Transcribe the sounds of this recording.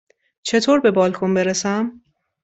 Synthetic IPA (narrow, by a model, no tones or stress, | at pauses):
t͡ʃʰe̞t̪ʰoːɾbe̞bɒːlkʰonbeɾesæm